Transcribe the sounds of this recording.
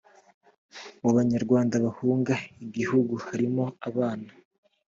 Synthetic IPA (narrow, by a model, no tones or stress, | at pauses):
βoβaɲaɾɡwaːndaβahuːŋɡaiɟihuɡuhaɾimo̞aβaːna